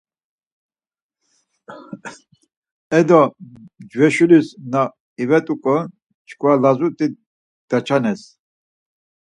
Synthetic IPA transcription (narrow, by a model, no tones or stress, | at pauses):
ɛd̪ɔd͡ʒwɛʃulisna | ivɛt̪ʼukʼɔ | t͡ʃʰkʰvalazut̪ʼi | d̪̥at͡ʃʰanɛs